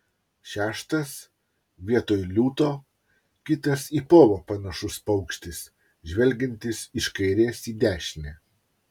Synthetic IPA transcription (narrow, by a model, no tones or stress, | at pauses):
ʃʲæːʃt̪ɐs | ʋʲiɛt̪oːjlʲuːt̪oː | kʲɪt̪ɐsiːpoːʋoːpɐnɐʃʊspɐʊkʃʲt̪ʲɪs | ʒʲʋʲɛlʲɡʲɛnʲt̪ʲɪsɪʃkɐɪɾʲeːsiːd̪ʲæːʃʲnʲɛː